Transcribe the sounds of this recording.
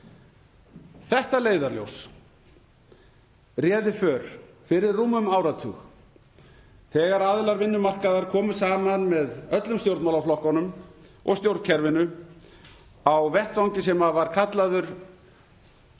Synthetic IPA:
θɛht̪aleːjðaɾljo̰ws | rjɛːðɪfœːɾ̥ | fɪɾɪrːuːmːʏmaːwɾat̪ʰʏ̰x | θɛːɣaɾaðlaɾvɪnːʏmar̥kaðaɾkʰɔːmʏ̥saːmanmɛðœt̪lʏmst̪jowɾt̪mawlaflɔhkɔnʏmɔ̰ɣst̪jowɾt̪cʰɛɾvɪnːʏ | awvɛht̪vawɲcɪs̬ɛmavaɾ̥kʰat̪laðʏɾ̥

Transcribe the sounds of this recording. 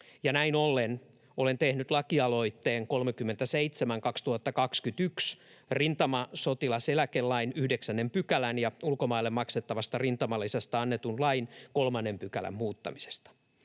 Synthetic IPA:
jɑnæinolːen | olent̪ehnyt̪lɑkiɑlo̞it̪ːeːŋko̞lmekymːent̪æseit̪semæŋkɑkst̪uhɑt̪ːɑkɑkskyt̪yks | rint̪ɑmɑsot̪ilɑselækelːɑinyhdeksænːempykælænjɑulkomɑilːemːɑkset̪ːɑʋɑst̪ɑrint̪ɑmɑlːisest̪æɑnːet̪unlɑinkolmɑnːempykælæ̰mmuːt̪ːɑ̰mise̥st̪ɑ̥

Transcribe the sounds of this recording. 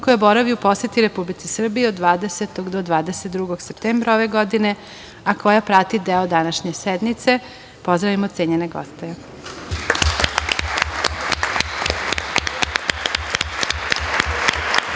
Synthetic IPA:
kojaboɾaʋiupo̞set̪iɾepublit̪sisr̩bijeod̪ʋaːd̪eset̪oɡd̪od̪ʋaːd̪eset̪̚d̪ɾuɡoɡsept̪eːmbɾaoʋeɡod̪ine̞ | ako̞japɾat̪id̪eod̪anaʃɲe̞sɛd̪mit̪se̞ | po̞zd̪ɾaʋimot̪seɲeneɡo̰st̪e

